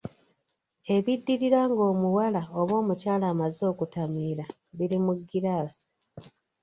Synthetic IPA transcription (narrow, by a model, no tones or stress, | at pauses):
e̞βidːiɾiɾaŋɡo̞ːmuwalaoβo̞ːmucaːlaːmazo̞ːkutamiːɾa | βiɾimuɡːiɾaːsi̥